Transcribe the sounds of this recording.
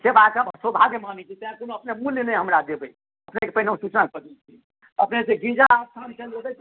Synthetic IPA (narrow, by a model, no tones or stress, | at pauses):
sebãkabsobʱaɡemanɛt͡ʃʰit̪əãkonoəpnemuljnɛɦəmɾad̪ebə | əpnekepəɦnũsut͡ʃnakəd̪it͡ʃʰi | əpneseɡĩd͡ʒaət̪ʰant͡ʃəlobɛ